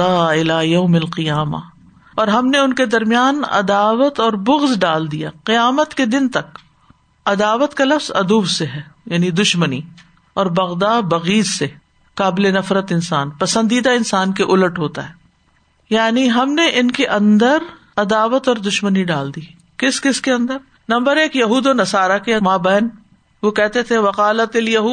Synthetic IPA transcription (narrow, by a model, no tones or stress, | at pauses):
aːɪlaːjɐʊmɐlqɪjaːma̰ | ɔːɾɦɐmneʊnked̪ɐɾmijaːnɐ̰d̪aːʋət̪ɔːɾbʊɣzɖaːld̪ijaqɪjaːmət̪ked̪ɪnt̪ɐk | ɐd̪aːʋət̪kalɐfz̥ɐ̰d̪uːbseɦɛːjaːnid̪ʊʃməni | ɔːɾbɐɣd̪aːbɐɣiːzse | kaːbɪlenɐfɾət̪ɪnsaːnpɐsə̃nd̪iːd̪aɪnsaːnkeʔʊləʈɦoːt̪a̰ɦɛː | jaːniɦɐmneʔɪnkeʔɐ̃nd̪əɾ | ɐd̪aːʋət̪ɔːɾd̪ʊʃməniɖaːld̪iː | kɪskɪskeɐ̃nd̪əɾ | nɐ̃mbəɾeːkjɐɦuːd̪onɐsaːɾakeɐmaːbɛːn | ʋokɛɦt̪et̪ʰeʋɐqaːlət̪ɐljɐɦuː